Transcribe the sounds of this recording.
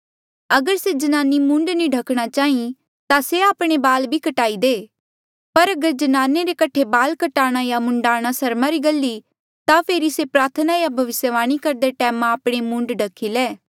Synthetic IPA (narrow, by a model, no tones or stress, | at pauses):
ɐɡəɾsed͡ʒɐnaːnimʊ̃ɳɖnĩɖʱɐkʰɽ̃at͡ʃaːĩ | t̪aseaːpɽ̃ebaːlbʱikɐʈaːid̪eː | pɐɾɐɡəɾd͡ʒɐnaːneɾekɐʈʰebaːlkɐʈaːɽ̃ajamʊ̃ɳɖaːɽ̃asɐɾmãɾiɡɐlːi | t̪apʰeːɾisepɾaːɾt̪ʰənajabʱɐʋɪsjəʋaːɽ̃ikɐɾd̪eʈɛːmãaːpɽ̃emʊ̃ɳɖɖʱɐkʰːileː